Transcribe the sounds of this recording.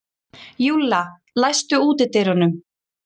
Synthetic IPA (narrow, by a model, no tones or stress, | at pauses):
juːla | lajst̪ʏuːt̪ɪt̪ejɾʏnʏm